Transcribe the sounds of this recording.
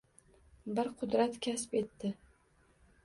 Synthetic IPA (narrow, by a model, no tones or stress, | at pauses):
bɪɾqʰʊd̪ɾat̪kʲʰaspe̞t̪ːɪ